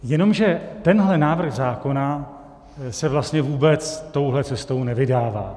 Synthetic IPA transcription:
jɛno̞mʒɛt̪ɛnɦlɛnaːvr̩ɣzaːko̞na | sɛvlast̪ɲɛvuːbɛt͡st̪o̞wɦlɛt͡sɛst̪o̞wnɛvɪdaːva̰ː

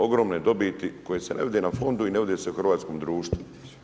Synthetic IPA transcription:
o̞ɡɾo̞mned̪o̞bit̪iko̞jesenʔeʋid̪e̞nafo̞nd̪uineʋid̪eseuxrɾ̩ʋaːt̪sko̞md̪ɾuːʃt̪ʋu

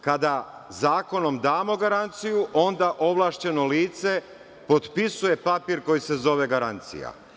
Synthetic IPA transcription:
kad̪azaːko̞no̞md̪aːmo̞ɡaɾant̪sijuʔo̞nd̪aʔo̞ʋlˠaːʃt͡ɕe̞no̞liːt̪se̞ | po̞d̪pisuje̞papiːɾko̞jise̞zo̞ʋe̞ɡaɾant̪sḭja̰

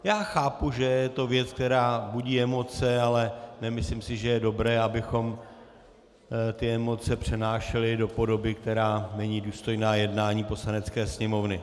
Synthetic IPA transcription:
jaːxaːpuʒɛjɛt̪o̞vjɛt͡sk̚t̪ɛɾaːbuɟiːɛmot͡sɛalɛnɛmɪslɪmsɪʒɛjɛdo̞bɾɛːabɪxo̞m | t̪ɪɛmo̞t͡sɛpr̝̥ɛnaːʃɛlɪdo̞po̞do̞bɪk̚t̪ɛɾaːnɛɲiːduːst̪o̞jnaːjɛdnaːɲiːpo̞slanɛt͡skɛːsɲɛmo̞vnɪ

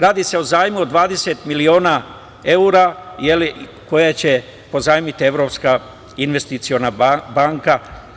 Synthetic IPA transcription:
ɾaːd̪ise̞o̞zaːjmud̪ʋaːd̪e̞set̪milio̞ːna | e̞uɾajeli | ko̞jat͡ɕe̞ | po̞zaːjmit̪ie̞ʋɾo̞pska | inʋe̞st̪it̪sio̞nabaːŋka

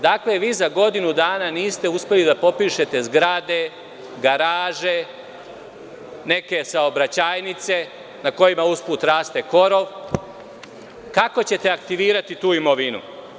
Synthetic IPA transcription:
d̪akle̞ʋiːzaɡo̞d̪inud̪aːnaniːst̪e̞uspe̞lid̪apo̞piːʃe̞t̪e̞zɡɾad̪e̞ | ɡaɾaːʒe̞ | ne̞ke̞saobɾat͡ɕaːjnit̪se̞ | nako̞jimauspuːt̪ɾaːst̪e̞ko̞ɾo̞ʋ | kako̞t͡ɕe̞t̪e̞akt̪iʋiːɾat̪it̪uːimo̞ʋinṵ

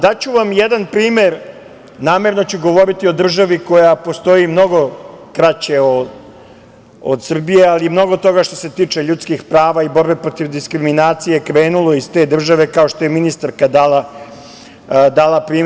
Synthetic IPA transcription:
d̪at͡ɕuʋamjed̪anpɾiːmeɾ | naːme̞ɾno̞t͡ɕuɡo̞ʋo̞ɾit̪io̞d̪r̩ʒaʋiko̞japo̞st̪o̞imno̞ɡo̞kɾat͡ɕe̞o | od̪sr̩bijealimno̞ɡot̪o̞ɡaʃt̪ose̞t̪iːt͡ʂe̞ʎut̪skixpɾaːʋaibo̞ɾbe̞pɾo̞t̪iʋd̪iskɾiminaːt̪sije̞kɾe̞ːnulˠo̞ist̪e̞ːd̪r̩ʒaʋe̞kao̞ʃt̪o̞jeminist̪aɾkad̪aːla | d̪aːlapɾiːm

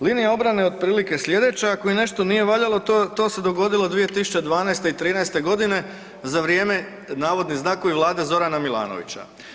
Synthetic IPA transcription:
linijao̞bɾane̞o̞d̪̚pɾiːlike̞slʎʲje̞d̪e̞t͡ɕaakoine̞ʃt̪o̞nije̞ʋaʎalot̪o̞ːse̞d̪o̞ɡo̞d̪ilˠo̞d̪ʋije̞t̪isu̥t͡ɕed̪ʋaːnajst̪eit̪ɾiːnajst̪e̞ɡo̞d̪ine̞ | zaʋɾje̞ːme̞ | naːʋo̞d̪niznaːkoʋiʋlˠaːd̪e̞zo̞ɾanamilˠa̰ːno̰ʋḭt͡ɕa̰

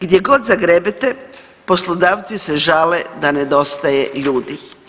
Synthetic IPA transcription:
ɡd̪je̞ɡo̞d̪zaɡɾebit̪e | po̞slˠod̪aːʋt̪siseʒaːled̪ane̞d̪o̞st̪ajeʎuːd̪i

